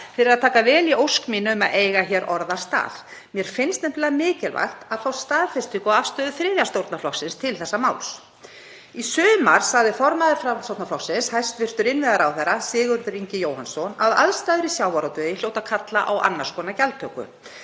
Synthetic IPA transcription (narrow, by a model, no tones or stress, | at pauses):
fɪɾɪɾaðt̪ʰaːkavɛːliowskmiːnʏʏmaðeːjɣaçɛːɾʔɔɾðaɾ̥st̪a̰ːðmjɛɾ̥fɪnst̪ɛmt̪ɛlamɪːcɪlva̰xt̪aðθawst̪aːðfɪst̪ikɔafst̪œːðʏfɾɪːðjast̪owɾt̪naflɔksɪnst̪ʰɪlθɛsːamaːwls | isʏːðʏmaɾ̥sːaɣðɪfɔɾmaðɪɾfɾasowtnaflɔksɪnshajst̪vɪr̥t̪ʏɾɪnvɪðaɾawθɛrːasɪːɣʏɾðʏɾiɲcɪjoːwhansɔna̰ða̰ðst̪aːðʏɾisjaːwvaɾawt̪œjɪljoːwt̪akʰat̪laʔawʔa̰nːaɾskɔːnacalt̪ʰœkʏ̰